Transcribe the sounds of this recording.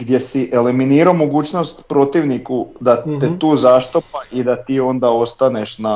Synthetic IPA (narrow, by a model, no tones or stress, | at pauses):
ɡd̪je̞siʔe̞liminiːɾaomoɡuːt͡ʃno̞st̪pɾo̞t̪iʋnikud̪at̪et̪uːzaʃt̪o̞paʔid̪at̪iːo̞nd̪ao̞st̪aneʃna